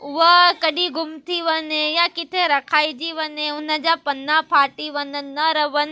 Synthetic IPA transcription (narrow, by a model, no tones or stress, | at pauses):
ʋəkɐɗiɡʊmt̪ʰiʋənẽjãkɪt̪ʰeɾɐkʰaːid͡ʒiʋənẽʊnəd͡ʒapɐnːãpʰaːʈiʋənənːəɾɐʋən